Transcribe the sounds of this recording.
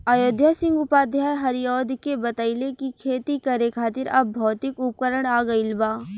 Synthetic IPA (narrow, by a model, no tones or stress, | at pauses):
ajoːd̪ʱjasɪ̃ŋɡʊpaːd̪ʱjaːjɦɐɾijɔːd̪kebɐt̪əilekikʰeːt̪ikɐɾekʰaːt̪ɪɾɐbːɔːt̪ɪkʊp̚kəɾəɽ̃aːɡɐɪlbaː